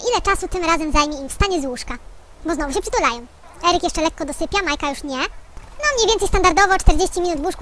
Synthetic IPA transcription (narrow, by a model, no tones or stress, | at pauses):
ʔilɛt͡ʂasut̪ɘmɾazɛmzajmʲjɛimfst̪aɲɛzwuʂka | bɔznɔvuɕɛpʂɘt̪ulajɔ̃w̃ | ɛɾɘkjɛʂt͡ʂɛlɛkːɔd̪ɔsɘpʲjamajkajuʂɲɛnɔmɲejvʲɛnt̪sɛjst̪and̪aɾd̪ɔvɔt͡ʂt̪ɛɾd͡ʑeɕt͡ɕimʲinut̪vwuʂk